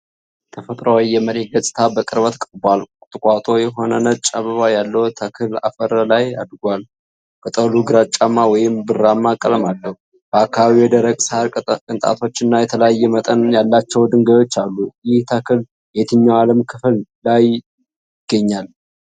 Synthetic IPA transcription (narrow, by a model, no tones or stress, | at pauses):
t̪ʰəfət̪ʼɾəwijɛməɾet̪̚ɡəsʼt̪ʰabəkʼɨɾβət̪kʼəɾbalʼt̪ʼɨkʼat̪ʼo̞jɛɦo̞nənət͡ʃʼaβəβajalːəwt̪ʰəkʰɨla̰fəɾəlaja̰d̪ɡʷal | kət̪ʼəluɡɨɾat͡ʃʼːamːawɔjɪmbɨramːakʼələmalːəhu | b̥əakːaβaβiwɔd̪əɾəɡʼsəhaɾkʼɨnt̪ʼa̰t̪ʰo̞t͡ʃːɪnːajɛt̪ʰələjajːɛmət̪ʼənjalːat͡ʃːɛwd̪ɨŋɡəjo̞t͡ʃːalːujɪht̪ʰəkʰɨl | jet̪ʰɨɲːawaləmkʰɨflːaj | ɪɡ̥ːəɲːal